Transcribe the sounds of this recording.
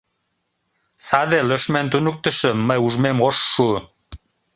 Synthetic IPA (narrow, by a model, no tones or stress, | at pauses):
sad̪eløʃmænt̪unuk̚t̪ə̆ʃə̆məjuʒmemʁoʃːu